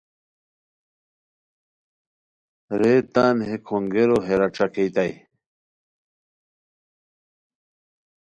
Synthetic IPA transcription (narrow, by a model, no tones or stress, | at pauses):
ɾeːt̪aːnɦekʰuŋɡeɾoɦeɾaʈ͡ʂakejt̪aj